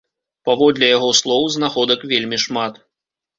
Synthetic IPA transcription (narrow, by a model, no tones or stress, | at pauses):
pavɔd̪lʲɛjaɣɔslˠɔwznaxɔd̪ɐkvʲelʲmʲiʂmat̪